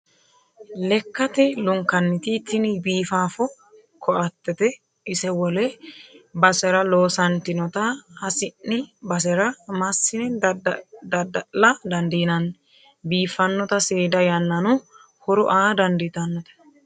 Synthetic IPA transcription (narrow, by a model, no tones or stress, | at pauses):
lɛkːɐt̪ɛlʊŋkːɐnːɪt̪it̪ːɪnɪbiːfaːfɔ | kʰɔʔɐt̪ːɛt̪ɛ | ɪsɛwɔlɛ | bɐsɛɾɐlo̞ːsɐnt̪ɪnɔt̪ɐhɐsɪnːɪbɐsɛɾɐmɐsːɪnɛ | d̪ɐd̪ɐlɐd̪ɐnd̪inɐn | biːfɐnːɔt̪ɐseːd̪ɐjɐnːɐnʊ | hɔɾʊʔaːd̪ɐnd̪ɪt̪ɐnːɔt̪ɛ̥